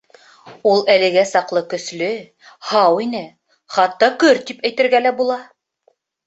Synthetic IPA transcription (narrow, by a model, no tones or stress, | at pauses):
ulˠælɘ̆ɡæsɑqlˠɤkɵ̆slɵ | hɑwinɘ | χɑt̪ːɑkɵɾt̪ipæjt̪ɘ̆ɾɡælæbulˠɑ